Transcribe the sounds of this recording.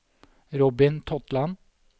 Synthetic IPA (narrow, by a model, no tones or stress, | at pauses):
ɾɔbɪnt̪ʰɔt̪lɑn